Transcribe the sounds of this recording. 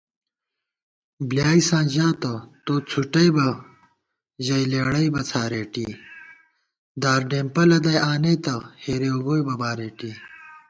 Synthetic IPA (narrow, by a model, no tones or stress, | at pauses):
bljaːisãːʑaːt̪ot̪oːt͡sʰuʈɐjbɐ | ʑɐjleːɽɐibɐt͡sʰaːɾeːʈḭ | d̪aːɾɖeːmpɐlɐd̪ɐjaːneːt̪ɐheːɾeoɡoːjbɐbaːɾeːʈiː